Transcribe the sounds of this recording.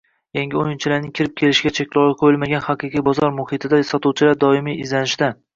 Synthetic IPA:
jaŋɡʲɪojɪnt͡ʃʰɪlaɾnɪŋkʲʰɪɾɪp̚kʲʰe̞lɪʃɪɡʲat͡ʃʰekʲlˠɒwɨqʰojɪlmaɡʲanhɑqɨqʰijbɒzɒɾmʊhɨt̪ʰɪd̪asɒt̪uwt͡ʃʰɪlaɾd̪ɒɪmijɪzlanɪʃɪd̪a

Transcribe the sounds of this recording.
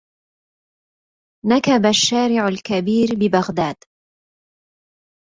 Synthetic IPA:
nakabaʃːaːɾɪʕalkabiːɾbɪbaɣd̪aːd̪

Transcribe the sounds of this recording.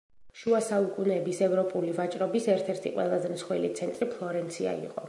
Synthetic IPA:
ʃuasaukʼunɛbisɛvɾɔpʼulivat͡ʃʼɾɔbisɛɾt̪ʰɛɾt̪ʰḭqʼwɛ̰lˠazɛmt̪sχwilit̪sʰɛnt̪ʼɾipʰlˠɔɾɛnt̪sʰia̰ḭqʼɔ

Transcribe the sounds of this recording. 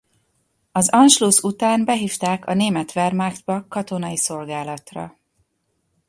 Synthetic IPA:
ɒzɒnʃlusut̪aːnbɛɦiːft̪aːkʰɒneːmɛt̪ʋɛrmakt̪bɒkɒt̪o̞nɒjiso̞lɡaːlɒt̪rɒ̰

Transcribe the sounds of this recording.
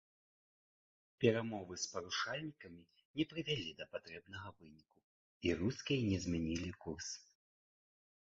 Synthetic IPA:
pʲɛɾamɔvɨspɐɾuʂalʲnʲikɐmʲi | nʲɛpɾɨvʲalʲid̪ɐpat̪ɾɛbn̪ɐɣɐvɨnʲiku | iɾuskʲijɐnʲɛzʲmʲɛnʲilʲikurs

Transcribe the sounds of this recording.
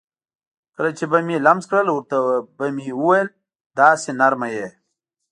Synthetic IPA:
kɐlat͡ʃebɐmilɐmzkɽəlwuɾt̪abɐmiuwɐjl | d̪aːsenɐɾmaje

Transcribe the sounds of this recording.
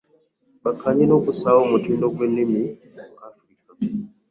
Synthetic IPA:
bakʰaɲinɔkusaɔmutindɔɡwenimi | kafɾika

